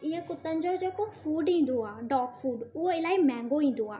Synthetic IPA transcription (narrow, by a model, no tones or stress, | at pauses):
ɪ̃ẽkʊt̪ə̃nd͡ʒod͡ʒeːkofʰuːɖĩːn̆d̪oaːɖɔːkfʰuːɖʊɦoɪlaːiːmɛ̃ːŋɡoĩːnd̪oa̰ː